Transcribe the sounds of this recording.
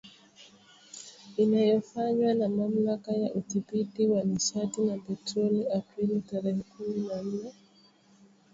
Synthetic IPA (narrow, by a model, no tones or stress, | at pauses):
inajɔfaɲwanamam̩lakajaʔuθipitiwaniʃatinapɛtɾɔliapɾilitaɾɛhɛkuminan̩nɛ